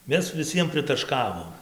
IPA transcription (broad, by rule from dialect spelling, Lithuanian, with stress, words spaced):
ˈmʲɛs ʋʲɪˈsʲiɛm pʲrʲɪtɐˈʃkɑːʋoːm